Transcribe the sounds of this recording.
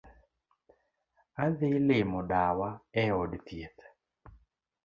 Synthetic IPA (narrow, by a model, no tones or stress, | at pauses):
aðɪlɪmɔdawaɛɔdt̪jet̪